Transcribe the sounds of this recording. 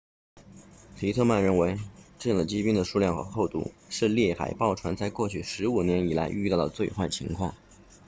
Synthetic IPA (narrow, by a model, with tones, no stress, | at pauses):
p̪ʰi˧˥t̪ʰɤ˥˧ma˥˩nɻə˥˩nwe˧˥ɪʈ͡ʂɤ˥˧jɑ˥˩ŋd̪ə˩t͡ɕi˥pi˥ŋd̪ə˨ʂu˥˧ljɑ˥˧ŋxɤ̰˧˥xo˥˧ʊt̪ṵ˥˩ʂɻ̩˥˧ljɛ˥˩xa̰˨˩ɪpɑ˥˩ʊʈ͡ʂʰwa˧˥nt͡sa˥ɪkwɔ˥˧t͡ɕʰy˥˩ʂɻ̩˧˥u˨˩njɛ˧˥ni˨˩la̰˧˥ɪʔy̰˥˧t̪ɑ˥˩ʊd̪ə˩t͡swe˥˧ɪxwa˥˩ɪt͡ɕʰḭ˧˥ŋkʰwɑ̰˥˩ŋ